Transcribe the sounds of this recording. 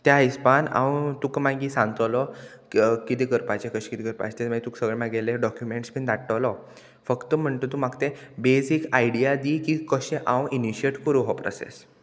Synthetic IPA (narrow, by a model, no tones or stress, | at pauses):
t̪jaispana̰wt̪ukmaɡiːsãŋɡt̪əlɔ | kit̪ikəɾpat͡ɕẽkəɕẽkit̪ikəɾpa̰t͡ɕt̪emaɡit̪uːksəɡɭemaɡeleɖɔkjumeɳʈspind̪aʈːəlɔ | fəkt̪əm̤əɳt̪ot̪umaɡt̪ebesikajɽiad̪iːkikəɕẽʔãwiniɕieʈkəɾuɦɔpɾɔ̰sḛs